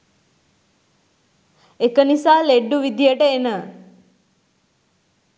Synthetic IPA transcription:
ekənisaːleɖːuʋid̪ijəʈəenə

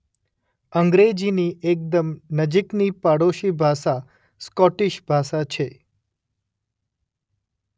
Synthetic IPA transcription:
əŋɡɾed͡ʒiniʔek̚d̪əmnəd͡ʒiknipaɽoʃibʱaʃa | skɔʈiʃbʱaʃat͡ʃʰe

